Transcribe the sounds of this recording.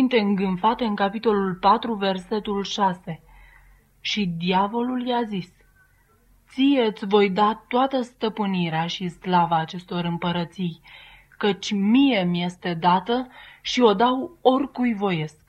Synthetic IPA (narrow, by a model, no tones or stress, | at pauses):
sint̪e̞ɨŋɡɨnfat̪e̞ɨŋkapit̪o̞lulpat̪ɾuve̞rse̞t̪ulʃase̞ | ʃid̪iavo̞luljazis | t̪sije̞ɨt̪sʲvo̞jd̪at̪oat̪əst̪əpɨniɾeaʃislavaːt͡ʃe̞st̪o̞ɾɨmpəɾət̪sij | kət͡ʃʲmije̞mje̞st̪e̞d̪at̪əʃio̞d̪awo̞rʲkujvo̞je̞sk̚